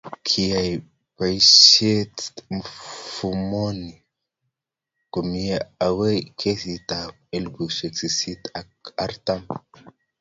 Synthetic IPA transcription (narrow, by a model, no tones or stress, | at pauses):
kʰiaj | pajʃetmfumoni | komijeawejkʰesit̪a | elɡuʃesisit̪akaɾt̪am